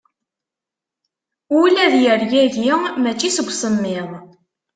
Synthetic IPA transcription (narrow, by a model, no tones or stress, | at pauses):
ʊlæðjəɾjæʝɪmæt͡ʃːisəɡʷsəmːɪðˤ